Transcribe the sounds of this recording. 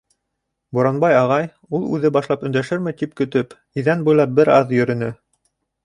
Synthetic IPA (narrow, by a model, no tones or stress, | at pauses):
buɾɑnbɑjɑʁɑj | ulˠʉ̰ðɘbɑʃlˠɑpɵ̆nd̪æʃɘɾmɘt̪ip̚kɵ̆t̪ɵp | iðænbujlˠɑp̚bɘɾɑðjɵ̆ɾɵ̆nɵ